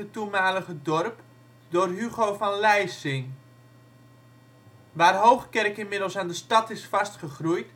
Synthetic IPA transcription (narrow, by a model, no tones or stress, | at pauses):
ətumaːləɣədɔrp | dʊːrɦyɣowfɔnlɛjsɪŋ | ʋaːrɦowχkɛrkɪnmɪdəlˠsaːndəstɑtɪsfɑstχəχrujt